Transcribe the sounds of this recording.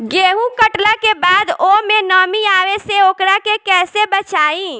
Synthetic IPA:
ɡeɦũkəʈləkebad̪omenəmiaʋeseokɾakekɛsebət͡ʃaĩ

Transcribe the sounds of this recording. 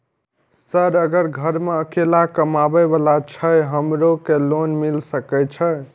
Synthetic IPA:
səɾəɡəɾɡʱəɾmeəkelakəmabəbəlat͡ʃʰəjɦəmɾokelonmilsəkət͡ʃʰə

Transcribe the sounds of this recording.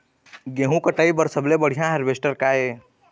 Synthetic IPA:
ɡẽːɦũkəʈəibəɾsəblebəɽ̤ijãɦeɾbeːsʈəɾkaːe

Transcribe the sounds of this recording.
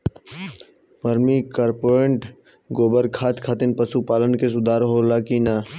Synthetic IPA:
pɐɾmikaːɾpoːɾẽɳʈ | ɡoːbəɾkʰaːt̪kʰaːt̪ɪnpɐsupaːlənkesʊd̪ʱaːɾɦoːlakina

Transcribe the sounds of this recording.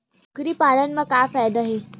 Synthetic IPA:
ɡɾiːpanənməkafajd̪aɦe

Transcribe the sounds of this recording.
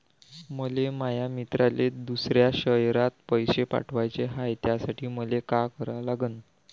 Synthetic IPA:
məlemajamit̪ɾaled̪usɾjaɕəjɾat̪̚pəjɕepa̰ʈʰʋajt͡seɦajt̪jasaʈʰiːməlekakəɾalaɡən

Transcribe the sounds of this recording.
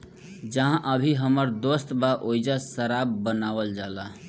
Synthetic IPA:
d͡ʒəɦãʔəbʱiɦəməɾd̪ost̪baʔoid͡ʒasəɾabːənaʋəld͡ʒala

